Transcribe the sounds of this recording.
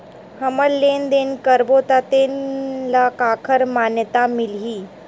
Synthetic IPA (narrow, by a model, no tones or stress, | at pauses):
həməlːend̪enkəɾbot̪at̪enlakakʰəɾmanjət̪amilɦiː